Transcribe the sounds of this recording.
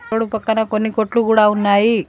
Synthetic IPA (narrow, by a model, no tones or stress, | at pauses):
oɽupɐkːɐnɐkonːikoʈlukuːɽaunːaːji